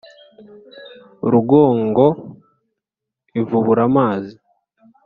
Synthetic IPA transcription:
ɾuɡoːŋɡo̞ | ivuβuɾamaːzi

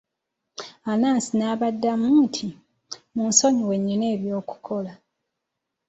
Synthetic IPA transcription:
anaːnsinaːβadːamuːntʰi | muːnso̞ɲiwe̞ɲːine̞ːβjo̞ːku̥kʰo̞la

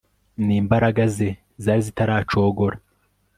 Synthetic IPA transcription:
niːmbaɾaɡaze | zaːɾizitaɾaːt͡ʃo̞ːɡo̞ɾa

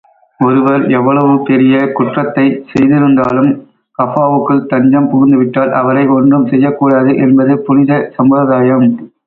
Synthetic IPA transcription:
ɔɾɯʋɐɾɛʋːɐɭɐʋɯpɛɾɪjɐkʊʈrɐt̪ːɐɪsɛjðɪɾɯnd̪aːlɯm | kɐfaːʋɯkːɯɭt̪ɐɲd͡ʒɐmpɔɣɪnd̪ɯʋɪʈːaːlʔɐ̰ʋɐɾɐɪɔndrɯmsɛjːɐkːuːɽaːðɯʔɛnbɐðɯpʊɻɪðɐsɐmbɐðaːjɐm

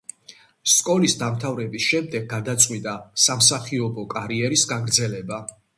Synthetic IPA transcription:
skʼɔlisd̪amt̪ʰavɾɛbisʃɛmd̪ɛɡ̚ːad̪at̪sʼqʼwit̪ʼasamsaχiɔbɔkʼaɾiɛɾisɡaɡɾd̪zɛlɛba

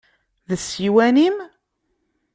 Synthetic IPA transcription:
ðəsiwænim

